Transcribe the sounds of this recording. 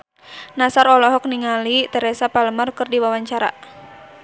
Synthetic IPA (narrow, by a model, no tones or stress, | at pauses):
nasaɾɔlɔɦɔk̚niŋalit̪ɛɾɛsapaləmarkɨrdiwawaɲt͡ʃaɾa̰